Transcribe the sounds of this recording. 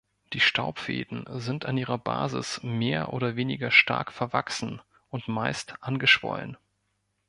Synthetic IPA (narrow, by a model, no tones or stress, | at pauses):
d̥iːʃtʰaʊpfḛːdn̩zɪnta̰nʔiːʁɐba̰ːzɪ̰smeːɐʔoːɾɐveːnɪɡɐʃta̰ɐkfɛɐvaksn̩ | ʔʊntmaɪstʔanɡəʃv̥ɔ̰lə̰n